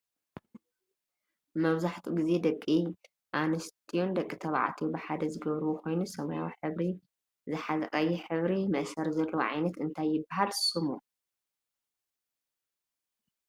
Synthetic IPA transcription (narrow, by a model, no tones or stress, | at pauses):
mɐβzaħt̪ʰuɡize̞d̪ɐkʼːi | ʔanɨst̪ʰʼijund̪ɐkʼːit̪ʰɐβa̰ʕt̪ʰiubɨħad̪ɐzɨɡɐβɾɨβukʰo̞jnusɐmɐja̰wħɨβɾi | zɨħazɐkʼɐjːiħɨβɾimɐʔsɐɾzɐlːɐwoʕa̰jnɐt̪ɨnt̪ʰajːɪbːahalsumu